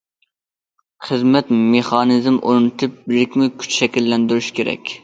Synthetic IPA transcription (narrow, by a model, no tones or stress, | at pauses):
χəzmɛt̪meχɑnɨzmʔoɾnɨt̪ʰɨp̚bɪɾɪkʲmukʲʰy̥t͡ʃʃɛkʲilːɛnd̪yɾyʃkʲeɾɛ̰kʲ